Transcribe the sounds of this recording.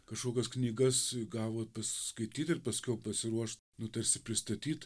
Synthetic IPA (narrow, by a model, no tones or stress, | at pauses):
kɐʃkoːkʲɛsknʲiːɡɐsɡɑːʋoːpɐsʲskɐɪt̪ʲiːt̪ɪɾpɐsʲkʲɛʊpɐsʲɪɾuɔʃt̪ | nʊt̪ɐɾʲsʲɪpʲɾʲɪst̪ɐt̪ʲiːt̪